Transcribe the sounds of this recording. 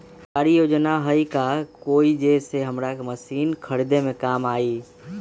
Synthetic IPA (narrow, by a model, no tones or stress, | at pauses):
kaːɾijoːd͡ʒnaɦəikakoːid͡ʒeseɦəmɾakməsiːnkʰəɽɪd̪emẽkaːmaːiː